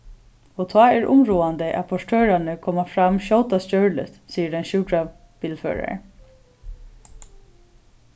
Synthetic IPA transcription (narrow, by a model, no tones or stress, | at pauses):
ɔt̪ʰɑːɛɹʊ̰mɹuːand̪əʔæ̰pʰɔʂʈʰøːɹanəkʰɔːmafɾamʃɔwt̪ascœɹlɪ̰t̪siːədɛnʃuːkɾa | b̥iːlfø̰ːɹa̰ɹ